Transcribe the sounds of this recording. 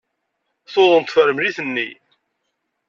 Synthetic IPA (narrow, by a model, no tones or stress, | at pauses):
θoðˤənt̪fəɾəmliθənːi